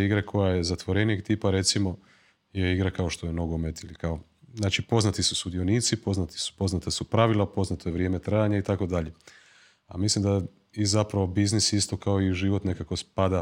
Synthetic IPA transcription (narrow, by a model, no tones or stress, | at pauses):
iɡɾakʰo̞jaje̞zat̪ʋo̞ɾe̞nijeɡt̪iːpaɾe̞t̪simo̞ | jeiɡɾakaoʃt̪o̞jeno̞ɡo̞me̞t̪ilikao | znaːt͡ʃipo̞znat̪isu̥sud̪io̞niːt̪sipo̞znat̪i̥su̥po̞znat̪asupɾaʋilˠapo̞znat̪ojeʋɾjemet̪ɾajaɲait̪ako̞d̪aʎe̞ | a̰mislimd̪a | izapɾaʋobiznisist̪o̞kao̞iʒiʋo̞t̪ne̞kakospad̪a